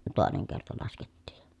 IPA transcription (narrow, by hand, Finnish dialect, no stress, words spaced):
toˑeneŋ kertɑ lɑsketːiːj jɑ̥